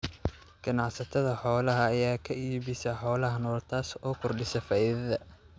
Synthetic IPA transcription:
ɡ̥ɐnɑʕsɐt̪ʰɐðɐħɔːlɐɦɐːjaːkʰɐʔiːβɪsɐħɔːlɐɦɐnɔːrt̪ʰaːsɔːkʰɔrɖɪsɐfaːiðɐðɐ

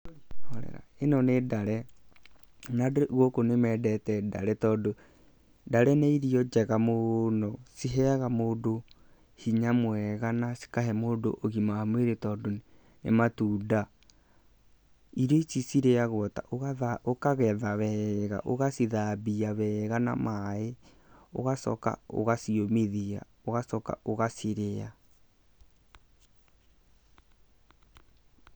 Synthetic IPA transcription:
ɔɾɛ̰ɾa̰enɔnedaɾɛ | naɣokonemɛːdɛtɛda̰ɾɛtɔːdo | daɾɛneiɾiɔd͡ʒɛɣamonɔsiɦɛaɣamoːdo | hiɲamwɛɣanasi̥kaɦɛmoːdo̰ʔoɣimahamweɾetɔːdon | ḛmatuːda | iɾet͡ʃisiɾeaɣɔta̰ʔoɣaaokaɣɛðaβɛɣa̰ʔoɣasiðabiaβɛɣana̰mae | o̰ɣasɔ̰ka̰o̰ɣasiomeðia̰ | oɣasɔka̰oɣasiɾea

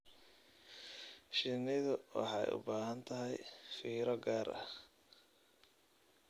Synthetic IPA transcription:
ʃɪnɪðʊwɑ̰ħɑjʊ̰baːɦɐnt̪ʰɐɦɛjfiːɾɔɡaːɾʔɐ̰

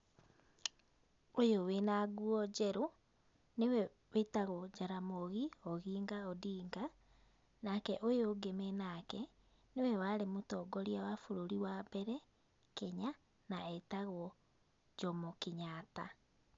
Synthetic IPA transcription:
ojowenaɡuɔd͡ʑɛɾo | newɛ | wetaɣɔd͡ʒaɾamoɣiɔɣiːŋɡaɔdiːŋɡa | nakɛʔojoːɡemenakɛ | newɛwaɾemotɔːɡɔɾiawafoɾoɾiwabɛɾɛ | kɛɲa | naɛtaɣwɔ | d͡ʒɔmɔkeɲaːta

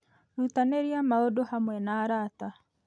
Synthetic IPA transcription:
ɾut̪anɛɾiamaɔdɔhamwɛnaːɾata

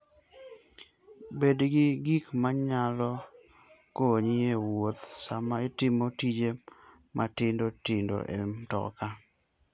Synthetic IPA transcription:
bedɡɪɡikmaɲalɔ | koɲɪewot̪samaɪtɪmotid͡ʒe | mʔatɪndotɪndo̰ʔḛmtɔ̰ka

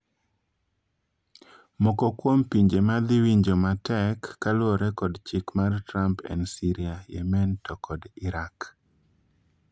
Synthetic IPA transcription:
mɔkɔkwompiɲd͡ʒemad̪ɪwiɲd͡ʒomatɛkːalwɔɾɛkɔdt͡ʃikmartɾampɛ̰nsiɾiajɛ̰mɛntɔkɔdɪɾak

